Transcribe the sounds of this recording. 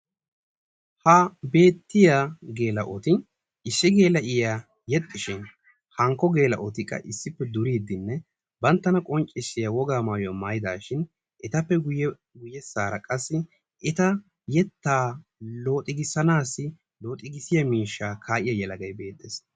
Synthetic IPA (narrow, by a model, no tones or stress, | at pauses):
hɐbe̞ːt̪ːɪjaɡe̞ːlɐʔɔt̪ɪ | ɪsːɪɡe̞ːlɐʔɪja | jɛt̪ʼːɪʃɪn | hɐŋkːɔɡe̞ːlɐ̰ʔɔt̪ɪkʼːɐ̰ʔɪsːɪpːɛd̪ʊɾiːd̪ːɪnːɛ | bɐnt̪ːɐnɐkʼɔnt͡ʃʼːɪsːɪjɐwɔɡaːmaːjʊɐmaːjɪd̪a̰ːʃɪn | ʔɪt̪ɐpːɛɡʊj | ɡʊjːɛsaːɾɐkʼɐsːɪ | ʔɪt̪ɐ | jɛt̪ːaːlo̞ːt̪ʼɪɡɪsɐnaːsːɪ | lo̞ːt̪ʼɪɡɪsɪjɐmiːʃːaːkʰaːʔɪjɐjɛlɐɡɐjbe̞ːt̪ʼːeːs